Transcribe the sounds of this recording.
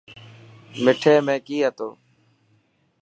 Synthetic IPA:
mɪʈʰeːmẽːkiːɦət̪oː

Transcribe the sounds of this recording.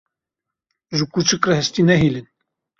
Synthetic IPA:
ʒɨkut͡ʃɨkrɛhɛst̪iːnɛɦilɨn

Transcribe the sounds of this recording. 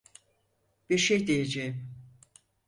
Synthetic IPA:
b̥iɾʃejd̪ejed͡ʒejim

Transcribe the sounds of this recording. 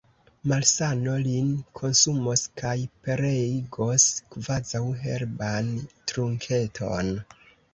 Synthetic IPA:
malsano̞linkʰo̞nsumoskajpeɾeɡoskvazawɦe̞̰ɾbantɾuŋkʰe̞tʰo̞̰n

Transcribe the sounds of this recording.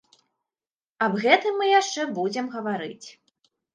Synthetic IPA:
ɐbɣɛt̪ɨmːɨjaʂt͡ʂɛbud͡zʲɛmɣɐvaɾɨ̰t͡sʲ

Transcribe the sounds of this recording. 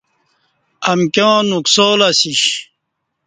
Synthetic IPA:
ɐmkʲjõːnuksoːlasiɕ

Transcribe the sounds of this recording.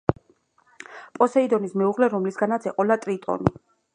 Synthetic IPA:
pʼɔsɛid̪ɔnismɛuʁlɛɾɔmlisɡanat̪sʰɛqʼɔlat̪ʼɾit̪ʼɔ̰ni

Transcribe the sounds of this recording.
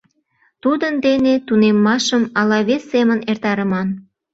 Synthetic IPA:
t̪ud̪ənd̪enet̪unemːɑʃəmɑlɑβesːemənert̪ɑɾəmɑn

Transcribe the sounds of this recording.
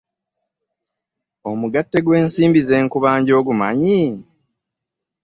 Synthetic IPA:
o̞muɡatːe̞ɡwe̞ːnsiːmbize̞ːŋkuβaːɲɟo̞ːɡuma̰ɲi

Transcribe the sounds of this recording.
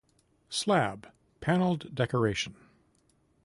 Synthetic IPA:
slæb̥ | pʰænl̩ˠddɛkə˞eɪʃɨ̃n̩

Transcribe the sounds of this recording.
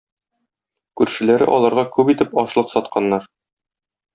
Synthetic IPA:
kʉɾʃɘ̆læɾɘ̰ʔɒlˠɑɾʁɑkʉpit̪ɘpɒʃlˠɤqsɒt̪̚qʰɑnːɑɾ

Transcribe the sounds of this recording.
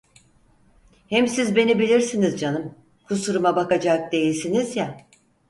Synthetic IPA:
hɛmsizbe̞nibilʲiɾsinizd͡ʒanɯm | kʰusuɾumabakad͡ʒak̚d̪e̞jilʲsinizja

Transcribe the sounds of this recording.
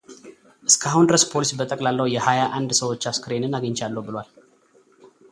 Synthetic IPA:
ʔɨskʰaɦund̪əɾəspʰo̞lisibət̪ʼəkʼlalːəwjɛhajaʔand̪səwo̞t͡ʃːaskɨɾenɨnaɡəɲt͡ʃalːəwbɨlwal

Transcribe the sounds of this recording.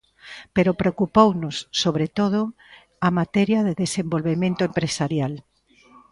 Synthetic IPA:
peɾopɾeokupownʊsːoβɾet̪oð̞ʊ | amat̪ɛɾjɐðeðesembolβemẽnt̪ʊempɾesaɾjal

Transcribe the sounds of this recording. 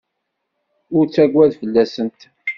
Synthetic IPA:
ʊɾt͡sːæɡʷwæðfəlːæsənt̪

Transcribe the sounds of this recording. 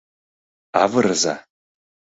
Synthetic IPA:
avɨrɨza̰

